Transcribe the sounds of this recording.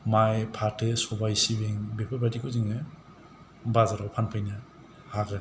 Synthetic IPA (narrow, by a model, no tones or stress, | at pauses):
majpʰatʰɯsɔbajsibeŋbepʰabʰadikʰɯziŋɯ | bazaɾawpʰanpʰajna | haɡɯ